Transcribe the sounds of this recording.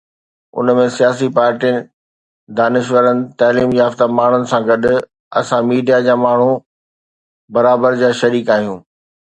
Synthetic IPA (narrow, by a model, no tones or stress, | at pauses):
ʊ̰nmẽsijaːsipaːɾʈinɪ | d̪aːnɪʃ̬ʋəɾənɪ̆t̪aːliːmjaːft̪amaːɳ̤ʊnɪ̆sãɡɐɗ | ɐ̰sãmiːɖijad͡ʑaːmaːɳ̤ũ | bɐɾaːbəɾd͡ʑaːʃɐɾiːkaːɦijũː